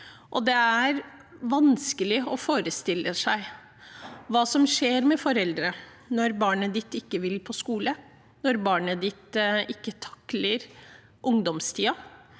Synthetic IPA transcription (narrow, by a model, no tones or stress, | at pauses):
ʔɔd̪ɛæɾ | ʋɑnskəlɪɔfoːɾəst̪ɪlːəsæɪ | ʋɑːsɔmʂeːɾmɛfɔɾɛld̪ɾə | nɔɾbɑːɳəd̪ɪt̪ɪkːəʋɪlpʰɔskuːlə | nɔɾbɑːɳəd̪ɪt̪ɪkːət̪ʰɑ̥kləɾ | ʔʊŋd̪ɔmst̪ʰiːɑ